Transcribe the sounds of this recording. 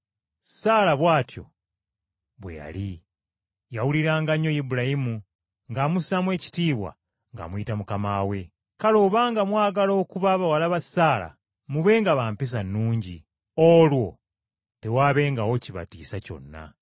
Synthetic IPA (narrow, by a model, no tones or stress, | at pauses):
saːlaβwaːtjo̞̰ | βwḛja̰li | jawuliɾaːŋɡaɲo̞jibuɾajimu | ŋɡamusamwe̞ːci̥tiːβwa̰ | ŋɡa̰mwuitamukamawe̞ | kalo̞ːβaːŋɡamwaːɡalo̞ːkuβaβawalaβasaːla̰ | muβe̞ːŋɡaβaːmpis̬anːuːɲɟi | olwo̞ | te̞waːβe̞ːŋɡawo̞ciβa̰tiːsaco̞̰nːa̰